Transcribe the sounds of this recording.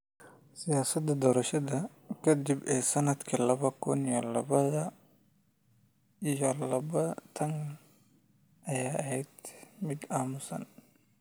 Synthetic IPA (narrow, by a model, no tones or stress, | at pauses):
sɪjaːsɐd̪ɐd̪ɔːɾɐʃɐðɐ | kʰɐd̪ɪbɛːsɐnɐd̪kʰɐlɐβɐkʰʊnijɔlɐβɐðɐ | ijɔlɐβɐt̪ʰɐn | ʔɐjaːɐɦɛjd̪mɪd̪aːmʊsɐ̰n